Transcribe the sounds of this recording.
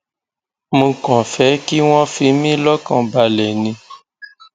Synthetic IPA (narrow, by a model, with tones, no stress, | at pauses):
mũ˧kɔ̃˨fɛ˨˦ki˦w̃ɔ̃˦fi˧˦mĩ˦lɔ˦kã˧˨ba˧lɛ˨nĩ˧